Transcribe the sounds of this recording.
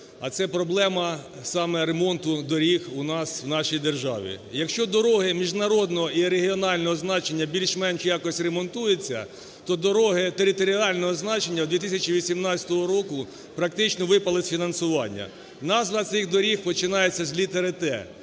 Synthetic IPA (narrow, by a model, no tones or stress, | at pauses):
ɐ̰t̪sɛpɾɔblˠɛmɐ | sɑmɛɾemɔnt̪ʊd̪ɔɾʲixunɑswnɑʃijd̪erʒɑ̰ʋʲḭjɐkʃt͡ʃɔd̪ɔɾɔɦɪmʲiʒnɐɾɔd̪nɔɦɔʔiɾeɦʲiɔnɑlʲnɔɦɔznɑt͡ʃenʲːɐbʲilʲʃmɛnʃjɑkɔsʲɾemɔnt̪ujet͡sʲːɐ̰ | t̪ɔd̪ɔɾɔɦɪt̪eɾʲɪt̪ɔɾʲiɑlʲnɔɦɔznɑt͡ʃenʲːɐwd̪ʋʲit̪ɪsʲɐt͡ʃiʋʲisʲimnɑt͡sʲɐ̥t̪ɔɦɔɾɔkʊ | pɾɐkt̪ɪt͡ʃnɔʋɪpɐlˠɪsʲfʲinɐnsʊʋɑnʲːɐ̰ | nɑzʋɐt̪sɪxd̪ɔɾʲixpɔt͡ʃɪnɑjet͡sʲːɐzʲlʲit̪eɾɪt̪ɛ̰